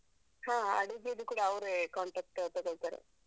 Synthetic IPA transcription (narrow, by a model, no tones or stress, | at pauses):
hãːɐ̰ɽiɡijɐd̪ukuːɽaɐʋɾekaːɳʈak̚ʈːt̪ɔɡoɭt̪aːɾḛ